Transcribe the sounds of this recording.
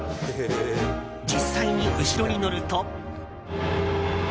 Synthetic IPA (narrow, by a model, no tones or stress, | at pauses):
d͡ʑisːaiɲ̟iʔɯ̟ɕiɾo̞ɲ̟ino̞ɾɯ̟t̪o